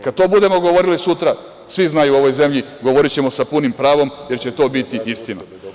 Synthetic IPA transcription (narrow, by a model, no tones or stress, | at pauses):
kad̪̥̚t̪o̞ːbud̪e̞mo̞ɡo̞ʋo̞ɾilisut̪ɾa | sʋiznaːjuo̞ʋo̞jze̞mʎiɡoʋo̞ɾit͡ɕe̞mo̞sapunimpɾaːʋo̞mje̞ɾt͡ɕe̞t̪o̞ːbit̪iist̪ina